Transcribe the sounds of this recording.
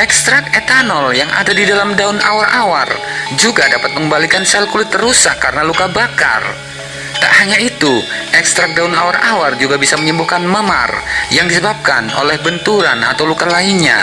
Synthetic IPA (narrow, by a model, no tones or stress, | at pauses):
ʔɛkst̪ɾak̚ɛt̪anɔljaŋʔa̰dadidalamdaunawaɾʔawa̰rd͡ʒuɡadapat̪̚məŋəmbalikansalkulɪt̪ːəɾusakːaɾənalukabaka̰r | t̪a̰ʔhaɲait̪uʔɛkst̪ɾak̚daunawaɾaward͡ʒuɡabisaməɲəmbuhkanməma̰rjaŋdisəbap̚ka̰no̰lɛhbənt̪uɾana̰t̪awlukalaiɲa̰